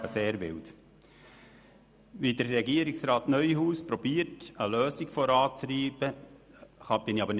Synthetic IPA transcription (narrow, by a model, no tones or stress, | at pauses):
əseːɾʋɪ̰lt̪ | ʋid̪əɾːɛɡiəɾɪksɾɑːt̪nœʏhuːspɾɔbiːəɾtəløːsiɡ̥fɔɾɑːt͡sriːb̥ə | χɑb̥ɪniɑbəɾn